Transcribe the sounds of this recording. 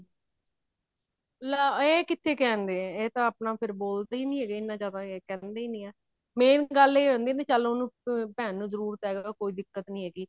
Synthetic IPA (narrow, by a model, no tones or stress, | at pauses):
laːeːkɪt̪ʰːeːkɛːnd̪eːɛ̃ːeːt̪ãːəpnaːpʰɪɾboːlt̪aːiːnĩːɛːɡeɪnːãːt͡ʃaːt̪ãːeːkɛ̃ːnd̪eːiːnĩːɛː | mɛ̃ːnɡəleːɦoːnd̪iːnẽːt͡ʃalonũːpɛːnːũːzəɾuːɾt̪ɛːɡaːkoːiːd̪ɪkːət̪nĩːɦɛːɡiː